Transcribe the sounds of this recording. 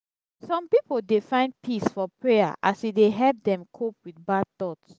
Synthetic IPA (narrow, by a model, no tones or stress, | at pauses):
sɔ̃mpipoldefãɪ̃nd̚pʰisfɔpɹeja̰ʔasideɦɛlp̚dɛ̃mkʰop̚wiθbad̚t̪ɔts